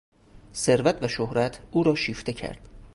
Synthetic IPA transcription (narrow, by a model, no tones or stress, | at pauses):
se̞ɾvæt̪ʰvæʃohɾæt̪ʰuːɾɒːʃiːft̪e̞cʰæ̰ɾd̪̥